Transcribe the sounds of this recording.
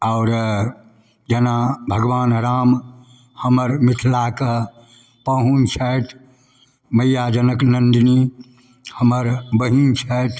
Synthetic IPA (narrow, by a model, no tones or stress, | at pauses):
aʊɾ | d͡ʒenabʱəɡʋaːnɾaːm | həməɾmit̪ʰlakə | pəɦunt͡ʃʰət̪ʰ | məjːad͡ʒənəknənd̪ni | həməɾbəɦint͡ʃʰət̪ʰ